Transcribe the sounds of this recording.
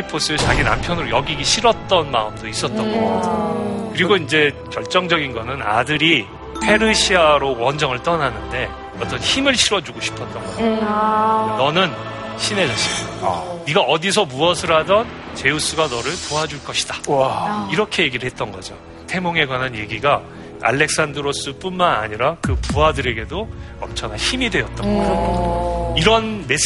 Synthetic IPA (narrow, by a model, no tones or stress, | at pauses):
ipʰos͈ɯet͡ɕaɡina̰mpʰjʌnɯɾojʌɡiɡiɕʰiɾʌt̚t͈ʌnma̰ɯmdois͈ʌt̚t͈ʌnɡ | kɯɾiɡoind͡ʑe̞t͡ɕʌɭt͡ɕ͈ʌŋd͡ʑʌɡinɡʌnɯna̰dɯɾi | pʰe̞ɾɯɕʰiaɾowʌnd͡ʑʌŋɯɭt͈ʌnanɯnde̞ | ʌt͈ʌnçimɯɭɕʰiɾʌd͡ʑuɡoɕʰi̥pʰʌt͈̚ʌnɡʌ | nʌnɯn | ɕʰine̞d͡ʑʌs͈ʌniɡaʌdis̬ʰʌmuʌsʰɯɾɦadʌnt͡ɕe̞jus͈uɡanʌɾɯɭpoɦad͡ʑuɭk͈ʌɕʰi̥d̥a | iɾʌkʰe̞je̞ɡiɾɯɭɦe̞t̚t͈ʌnɡʌd͡ʑo | tʰe̞moŋe̞ɡwanɦanje̞ɡiɡa | a̰ɭːe̞k̚s͈andɯɾos͈ɯp͈unmana̰ɲiɾakɯpuɦadɯɾe̞ɡe̞do | ʌ̰mt͡ɕʰʌŋɦançimidwe̞ʌt͈̚ʌnɡʌ | iɾʌnmes